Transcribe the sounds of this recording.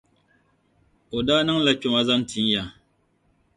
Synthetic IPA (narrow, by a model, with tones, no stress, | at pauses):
o˨daː˦nɨ˦ŋla˨ko˨ma˦za˦n˦tʰi˨n˦ja˨